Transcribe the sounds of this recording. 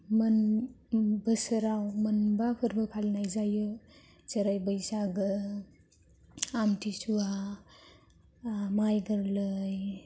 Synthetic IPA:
mɯn | bəsəɾawmɯnbapʰɯɾbɯpʰalnajzajɯ | z̥əɾajbəjsaɡɯ | amtʰisua | majɡɯɾlɯj

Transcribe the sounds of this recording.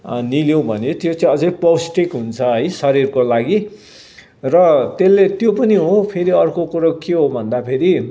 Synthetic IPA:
niljowbʱʌnet̪jot͡saĩʌd͡zʌjpʌwsʈikɦunt͡sʰʌʌjsʌɾirkolaɡi | rʌt̪elːet̪jopʌniɦopʰeɾiʌrkokuɾokeɦobʱʌnd̪apʰeɾi

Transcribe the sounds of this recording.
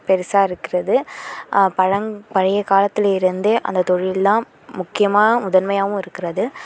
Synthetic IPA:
pɛɾɪsaːɪɾɯkːɪɾɐðɯ | pɐɻɐŋpɐɻɐjɐkaːlɐt̪ːɯlɪɾɯnd̪eːʔɐ̰nd̪ɐt̪ɔɻɪllãː | mʊkːɪjɐmaːnɐʊðɐnmɐjaːʋɯ̃ɪɾɯkːɪɾɐðɯ

